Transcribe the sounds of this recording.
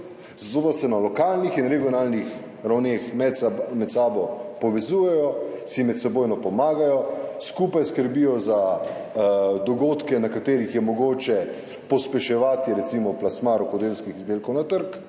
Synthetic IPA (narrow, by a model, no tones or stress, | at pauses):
z̥at̪oːd̪asɛnalɔkaːlnixinɾɛɡijɔnalnix | ɾawnexmɛt̪smɛt̪saːbɔpɔʋɛzuːjɛjɔ | simɛt̪sɛboːjnɔpɔmaːɡajɔskupajskəɾbijɔza | d̪ɔɡoːt̪kɛnakat̪eːɾixjɛmɔɡoːt͡ʃɛ | pɔspɛʃɛʋaːt̪jiɾɛt̪simɔplasmaɾɔkod̪elskixizd̪eːlkɔwnat̪əɾk